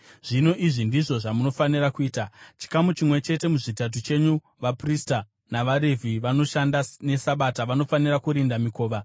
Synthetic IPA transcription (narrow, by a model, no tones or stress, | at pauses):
ʐ̥ino̞ʔiʐindiʐo̞ʐamuno̞fanirakuiːtat͡ʃi̥kamut͡ʃimwe̞t͡ʃe̞te̞muʐitat̬ut͡ʃe̞ɲu | ʋaprista | naʋaɾevʱiʋano̞ʃandane̞saɓataʋano̞fanirakuɾindamiko̞ːʋa